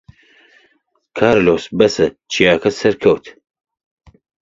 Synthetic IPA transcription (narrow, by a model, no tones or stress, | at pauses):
kʰaːɾloːsbɐsɐt͡ʃʰijaːkʰɐsɐɾkʰɐwt̪ʰ